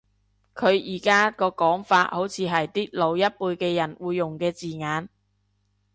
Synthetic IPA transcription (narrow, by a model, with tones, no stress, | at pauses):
kʰɵ˨˧ɥjiː˨˩kaː˥kɔː˧kɔː˨˥ŋfaː˧t̚ho˨˥wt͡sʰiː˨˧ɦɐ˨jt̪iː˥lo˨˧wjɐ˥t̚puː˧jkɛː˧jɐ˨˩nwuː˨˧jːʊ˨˩ŋkɛː˧t͡siː˨ŋaː˨˧n